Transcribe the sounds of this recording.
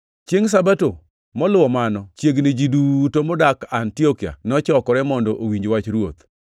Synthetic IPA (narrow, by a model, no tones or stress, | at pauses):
t͡ʃeŋs̬abato | mɔlʊwɔmanɔt͡ʃjeɡnɪd͡ʒidutomɔdakantiɔkia̰nɔt͡ʃɔkɔɾɛmɔndɔʔowiɲd͡ʒwat͡ʃɾwot̪